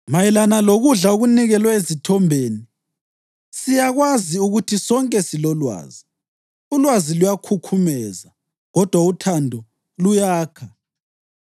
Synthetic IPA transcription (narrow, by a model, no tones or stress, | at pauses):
majɛlanaloɣuɮauɣuniɣɛlwaezitʰɔmbʱeːni | sijaɣwaziuɣutʰisɔŋkʼɛsilɔlwa̰ːzi | ulwazilujakʰukʰumɛza | ɣɔd̥ʱwautʰandʱɔ | lujaːkʰa